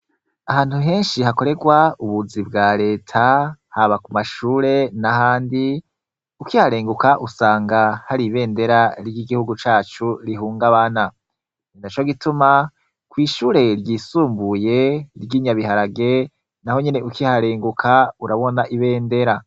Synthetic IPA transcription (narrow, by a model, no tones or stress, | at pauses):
aɦaːn̥huɦe̞ːnʃiɦako̞ɾe̞ɡwauβuzibɡaːɾe̞ːtʰahaβakumaʃuːɾe̞nahaːndi | ukihaɾe̞ːŋɡukaʔusaːŋɡahaɾiβe̞ːnde̞ɾaɾɟiɡihuɡut͡ʃaːt͡ʃuɾiɦuːŋɡaβana | nindat͡ʃoɡituma | kwiːʃuːɾe̞ɾɟiːsuːmbuje̞ɾɡiːɲaβihaɾaɡe̞ | naho̞ɲene̞ʔukihaɾeːŋɡukʰauɾaβo̞naʔiβe̞ːnde̞ɾa